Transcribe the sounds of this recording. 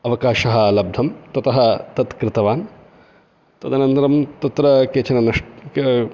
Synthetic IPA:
ɐʋɐkaːʃɐɦɐ̆lɐb̚d̪ʱɐmt̪ɐt̪ɐɦɐt̪ɐt̪kɾɪt̪ɐʋaːn | t̪ɐd̪anɐnt̪ɐɾɐmt̪ɐt̪ɾɐkeːt͡ʃʰɐnɐnɐʂʈ

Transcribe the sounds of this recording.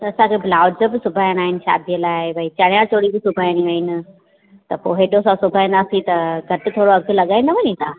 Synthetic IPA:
t̪ɐɐsãkʰeblaːʊd͡ʑəbɪsʊbʱaːjñaːɦɪnɪ̆ʃa̰ːd̪ijəlaːɪbʱɐit͡ɕɐɽ̃jat͡ɕoːɽibɪsʊbʱaːjniʋɐɪnɪ̆ | t̪ɐpoːɦeɗõsãsʊbʱaːĩːnd̪aːsĩt̪ɐɡʱɐʈɪ̆t̪ʰoːɽoɐɡʱʊlɐɠaːinɐʋɐɲĩt̪ʰaː

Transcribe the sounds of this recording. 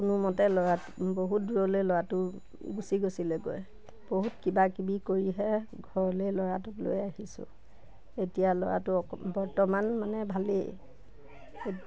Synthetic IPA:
kʊnumɔtɛlɔɹa | boɦut̚duɹɔlojlɔɹatʊ | ɡusiɡosilɛɡo̰j | b̥oɦutkibakibikoɹiɦɛ | ɡʱɔɹɔlejlɔɹatʊtlo̰jaɦisʊ̰ | etijalɔ̰ɹa̰tʊbɔɹtɔmanmanɛbʱalḛ | e

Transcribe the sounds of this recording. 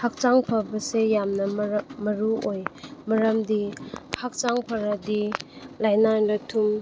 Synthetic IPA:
hak̚t͡ʃaŋpʰɐbɐsejamnɐmɐɾuojmɐɾɐmdihak̚t͡ʃaŋpʰɐɾadilajnajnɐtʰum

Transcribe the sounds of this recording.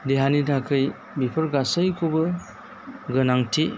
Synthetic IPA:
deɦanidakʰɯj | bipʰɯɾɡasajkʰubɯ | ɡɯnaŋtʰi

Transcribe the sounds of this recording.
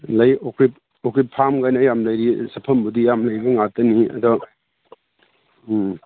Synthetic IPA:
lɐjokɾip̚ | okɾipʰamɡajnɐjamlɐjɾisɐpʰɐmbudijamlɐjbɐŋatɐniɐ̰dɔ

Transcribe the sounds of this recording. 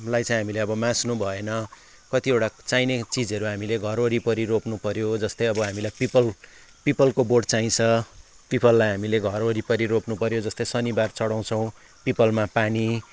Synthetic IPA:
lajt͡sãĩɦamileʌbʌmãsnubʱʌenʌ | kʌt̪iewʈat͡sajnet͡sid͡zʌɾuɦamileɡʱʌɾoɾipʌɾiɾopnupʌɾjod͡zʌst̪ʌjʌbʌɦamilajpipʌl | pipʌlkoborɖt͡saĩt͡sʰʌ | pipʌlːajɦamileɡʱʌɾoɾipʌɾiɾopnupʌɾjod͡zʌst̪ʌjsʌnibart͡sʌɽaw̃t͡sʰʌ̃w̃ | pipʌlmapani

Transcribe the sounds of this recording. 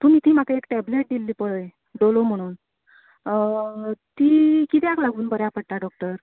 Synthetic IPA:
t̪um̤iːt̪iːm̤akaekʈɛbleʈ̚d̪ilːiːpəɭəj | ɖolom̤əɽ̃uːn | t̪iːkit̪ɛaklaɡuːnbəɾjapəɽ̚t̪aɖɔk̚ʈəɾ

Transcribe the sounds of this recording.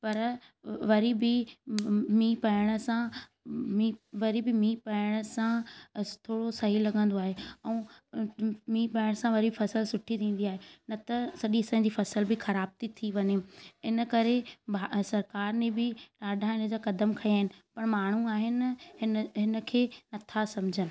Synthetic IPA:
pɐɾ | ʋɐɾibɪ | miːpɐɪɽ̃ə̆sãmiʋɐɾibɪmĩːpɐɪɽ̃əsãt̪ʰoːɽosɐɦilɐɠə̃n̆d̪oaːɦeɛ̃ː | miːpɐɪɽ̃sãʋɐɾifɐsəlsʊʈʰit̪ʰĩːn̆d̪iaːɦenɐt̪ɐsɐɗiɐsãːɲ̆d͡ʑiːfɐsəlbɪxɐɾaːb̚t̪it̪ʰiʋɐɲeɪnə̆kɐɾebasɐɾkaːɾnẽbɪɗaːɖʱãɪnə̆d͡ʑaːkɐd̪əmkʰɐjaːɦɪnɪ̆pɐɽmaːɳ̤ũaːɦɪnɪɪnɦɪnə̆kʰeːnɐt̪ʰasɐmd͡ʑʱənɪ̆

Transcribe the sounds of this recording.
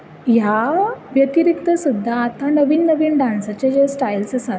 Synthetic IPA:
jaʋjət̪iɾikt̪əsud̪ʱːaːt̪anəʋiːnnəʋiːnɖansat͡ɕed͡ʑesʈajlsəsa

